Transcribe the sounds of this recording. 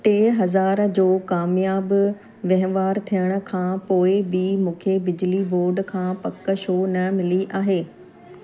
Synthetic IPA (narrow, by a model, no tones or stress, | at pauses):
ʈeːɦɐzaːɾd͡ʑoːkaːmijaːb | ʋɐɦʋaːɾt̪ʰijəɽ̃ʊ̆kʰãːpoːɪbɪmũːkʰebɪd͡ʑliboːɾɖkʰãːpɐkə̆ʃoːnɐmɪliʔaːɦeː